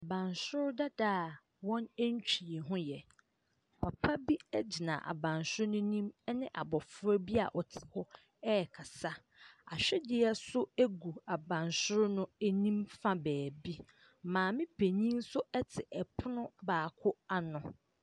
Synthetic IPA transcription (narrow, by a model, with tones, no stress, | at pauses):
a˨bã˨nsʊ˦ɾda˦da˦˨ | wɔ̃˦nɛ˦ɲ˦t͡ɕᶣʰi˨ɦʊ̃˦jɛ˨ | pʰa˨pʰa˦bi˦ɛ˦d͡ʑi˨nã̰˨ʔa̰˨bã˨nsʊ˦ɾnʊ̃˦nĩ˦m˦nɪ̃˦ʔa̰˨bɔ˨fʊ˦ɾɛ˦bi˦a̰˨ʔɔ˨tʰɪ̥˨hɔ˦ | ɛ˦ɛ˨kʰa˨sa˦ | a˨ɕᶣɛ˦dɪ˦ɛ˦sʊ˦æ˦ɡu˨a˨bã˨nsʊ˦ɾnʊ̃˦e˦nĩ˦mfã˦bæː˨bi˦ | mãː˨mɪ̃˦pʰe˨ɲĩ˦n˦sʊ˦ɛ˦tʰɪ˨ʔɛ˨pʰʊ˦nʊ̃˦baː˨kʰʊ˦a˨nʊ̃˨